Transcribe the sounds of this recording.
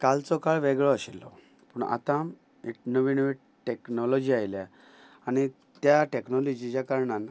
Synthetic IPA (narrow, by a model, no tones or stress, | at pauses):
kalt͡sɔkaɭʋeɡɭɔəɕilːɔ̰ | puːɳa̰t̪am | iʈnəʋinəʋi | ʈeknɔlɔd͡ʑiajlja | aɽ̃i | t̪jaʈeknɔlɔd͡ʑit͡ɕakaɾɳan